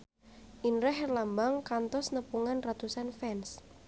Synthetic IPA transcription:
ʔinɾɛɦrlambaŋkant̪ɔsnəpuŋanrat̪usanfɛns

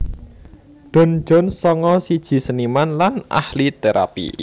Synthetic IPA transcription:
ɖ̪̥ɔ̤n̥d͡ʒ̥ɔ̤nsɔŋɔsid̥ʒ̥i̤sənimanlana̰hlit̪eɾʔa̰pḭ

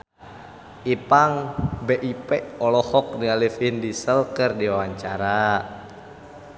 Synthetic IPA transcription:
ʔipaŋbeʔipɛʔɔlɔhɔk̚dialifindisəlkɨrdiawaɲt͡ʃaɾa

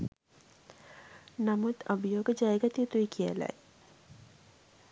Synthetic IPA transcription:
namut̪əbijoːɡəd͡ʒajɡat̪ijət̪uikʰijə̰la̰j

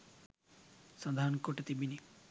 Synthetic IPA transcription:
sɔd̪aɾɔnkoʈet̪ibini

